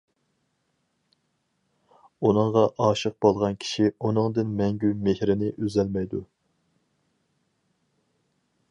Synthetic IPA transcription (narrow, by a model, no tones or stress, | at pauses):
unɨŋʁɑʔɑːʃəq̚b̥olˠʁɑnkʲʰi̥ʃiunɨŋd̪ɨnmɛŋɡʲymehɾɪnɪʔøzɛlmɛjd̪u